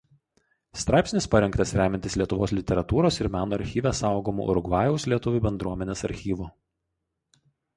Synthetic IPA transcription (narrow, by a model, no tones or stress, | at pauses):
st̪ɾɑˑɪpʲsʲnʲɪspɐɾʲɛŋkt̪ɐsɾʲæːmʲɛnt̪ʲɪslʲiɛt̪ʊʋoːslʲɪt̪ʲɛɾɐt̪uːɾoːsɪɾmʲæːnoːɐɾʲxʲiːʋʲæsɑˑʊɡoːmṵʔɾʊɡʋɑːjɛʊslʲiɛt̪ʊʋʲuˑbʲɛnd̪ɾuɔmʲɛnʲeːsɐɾʲxʲiːʋuː